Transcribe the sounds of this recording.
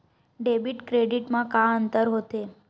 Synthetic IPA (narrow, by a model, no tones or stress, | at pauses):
ɖebiʈkɾeɖiʈmãkãənt̪əɾɦot̪e